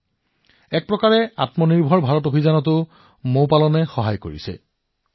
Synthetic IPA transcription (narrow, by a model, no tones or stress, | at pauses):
ɛk̚pɹɔkaɹɛatmɔniɹbʱɔɹbʱaɹɔtobʱizanɔtʊ | mopalɔnɛxɔɦajko̰ɹḭsɛ̰